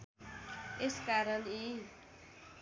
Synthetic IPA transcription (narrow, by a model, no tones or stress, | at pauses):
eskaɾʌni